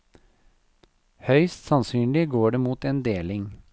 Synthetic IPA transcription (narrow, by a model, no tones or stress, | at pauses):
hœʏst̪sɑnsyːnlɪɡoːɖeːmuːt̪eːnd̪eːlɪŋ